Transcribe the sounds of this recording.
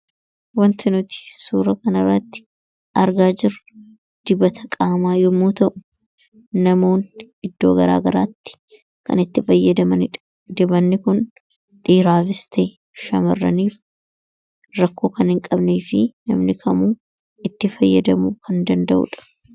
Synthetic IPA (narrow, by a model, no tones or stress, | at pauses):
wɐnt̪ɪnʊt̪ɪ̥suːɾɐkɐnɐrːɐt̪ːɪ̥ | ʔɐɾɡaːd͡ʒɪrʊ | d̪̥ɪbɐt̪ʰɐkʼaːmaːjɔmuːt̪ɐʔʊ̥ | nɐmo̞ːn | ɪd̪ːo̞ːɡɐɾa̰ːɡɐɾaːt̪ːɪ̥ | kɐ̰nɪt̪ːɪfɐjːɐd̪ɐmɐnɪɐ | d̪ɪbɐnːɪkʊn | ᶑiːɾaːfɪst̪ʰɛ | ʃɐmɐrːɐ̰niːf | ɾɐkːo̞ːkɐnhɪŋkʼɐbneːfɪnɐ̰mnɪkʰɐmuː | ɪt̪ːɪfɐjːɐd̪ɐmukʰɐnd̪ɐnd̪ɐʔʊ̰ᶑɐ̥